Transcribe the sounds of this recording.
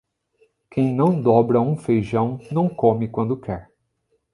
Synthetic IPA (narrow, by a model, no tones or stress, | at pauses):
kẽj̃nɐ̃w̃d̪ɔbɾɐũfejʒɐ̃w̃nɐ̃w̃kõmɪkwɐ̃nd̪ʊkʰɛɾ